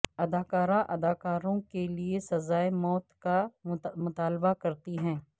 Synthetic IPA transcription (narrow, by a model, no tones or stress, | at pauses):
ɐd̪aːkaːɾaʔɐd̪aːkaːɾõkeliesɐzaːemɔːt̪kamʊt̪aːlbakɐɾt̪iɦɛ̃ː